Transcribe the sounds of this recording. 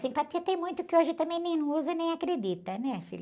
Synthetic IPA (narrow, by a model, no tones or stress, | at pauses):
sĩpɐt̪et̪ẽj̃mũj̃t̪ʊkɪoʒɪt̪ɐ̃mẽj̃nẽj̃nɐ̃uzɐnẽj̃akɾed̪it̪ɐnɛfḭl